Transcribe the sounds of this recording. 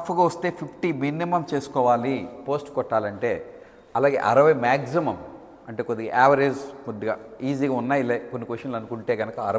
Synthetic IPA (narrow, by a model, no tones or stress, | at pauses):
ɐpʰɐɡaʋɐst̪e̞ːpʰipʰʈimiːnimɐmt͡ʃe̞ːsu̥kɔːʋaːlipo̞ːsʈkɔʈːaːlɐɳʈe̞ː | ɐlaːɡeːʔɐ̰ɾɐʋɐjmaːksimɐm | ɐɳʈe̞ːkod̪iiʔaːʋɐɾesmud̪ɐɡaːiːziːɡaːunːaːjilɐkonːikʋeʂɐnlɐnukuɳʈe̞ːɡɐnɐkɐɐɾɐ